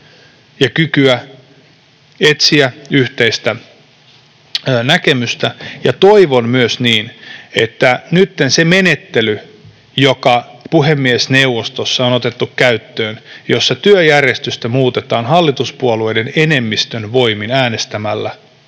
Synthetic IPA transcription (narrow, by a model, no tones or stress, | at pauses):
jɑkykyæ | et̪siæyht̪eist̪æ | nækemyst̪æjɑt̪oiʋonmyøsniːnet̪ːænyt̪ːenseme̞net̪ːely | jokɑpuɦemːiesnewʋost̪osːɑonot̪et̪ːukkæyt̪ːøːnjosːɑt̪yøjærjest̪yst̪æmuːt̪et̪ɑːnɦɑlːit̪uspuoluejdenene̞mːist̪ønʋo̞iminæːnest̪æmælːæ